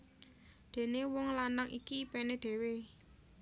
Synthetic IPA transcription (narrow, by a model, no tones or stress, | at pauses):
d̪̥e̤newɔŋlanaŋʔḭkipened̪̥e̤we